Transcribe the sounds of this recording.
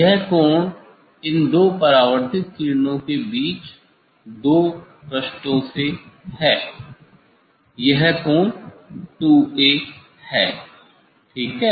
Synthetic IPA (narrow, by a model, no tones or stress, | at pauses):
jɛɦkɔːn | ɪnd̪oːpɐɾaːʋəɾt̪ʰɪt̪̚kɪɾnõkebiːt͡ʃ | d̪oː | pɾɐʃʈõsehɛː | jɛɦkɔːɳʈuːeː | hɛː | ʈʰiːkɦɛː